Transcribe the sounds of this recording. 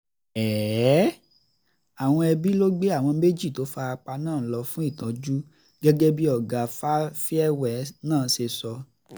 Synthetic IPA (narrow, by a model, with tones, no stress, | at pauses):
ɛː˨˦ | a˨w̃ɔ̃˧ɛ˧bi˦lo˦ɡ͡be˦a˦˨w̃ɔ̃˧me˦d͡ʒi˦˨to˨˦fa˧a˧k͡pa˧nãː˦˨˦lɔ˧fũ˦i˦˨tã˨d͡ʒu˦ | ɡ̥ɛ˦ɡɛ˦bi˦ɔ˦˨ɡa˨fa˦fi˦ɛ˦wɛ˨nãː˦˨˦ʃe˧sɔ˧